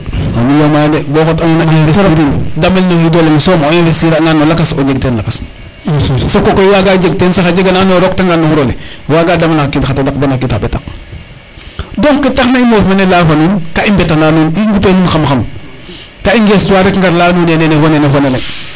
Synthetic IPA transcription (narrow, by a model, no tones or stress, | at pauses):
anijomajdebɔːxotanonainvestːɾindamelnojidoleŋsoːmnefestiɾaŋɡanːolakasod͡ʒeɡtenlakas | sokokojwaɡad͡ʒeɡ̚tensaxad͡ʒeɡananoɾok̚taŋɡanːouɾolewaɡadamalaxakitxatadak̚banakitabeta̰k̚ | doŋkːitaxnaimofnenelafoninkaimbɛtananuniŋɡupenunxamxam | kaiŋɡestwaɾekŋɡaɾlaːnunenenefonenefonele